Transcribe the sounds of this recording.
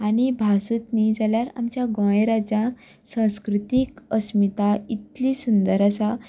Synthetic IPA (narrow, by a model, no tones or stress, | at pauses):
añibʱasut̪nid͡zaljaɾa̰mt͡ɕjaɡɔ̃eɾad͡ʑã | sãw̃skɾut̪ikəsmit̪ait̪lisund̪əɾasa